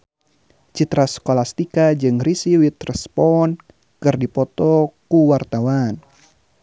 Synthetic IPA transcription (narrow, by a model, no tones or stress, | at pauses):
t͡ʃit̪ɾaskolast̪ikad͡ʒɨŋrisiwit̪rɛspɔn | kɨrdipɔt̪ɔkuwart̪awan